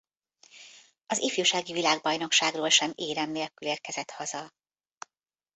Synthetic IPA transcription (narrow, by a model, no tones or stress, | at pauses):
ɒzifjuʃaːɡivilaːɡbɒjno̞kʃaːɡroːlʃɛmeːɾɛmneːlkyleːrkɛzɛt̪hɒzɒ